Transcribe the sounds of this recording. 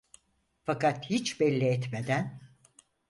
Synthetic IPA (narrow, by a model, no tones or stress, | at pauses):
fakat̪hit͡ʃbɛlʲːiɛt̪med̪æn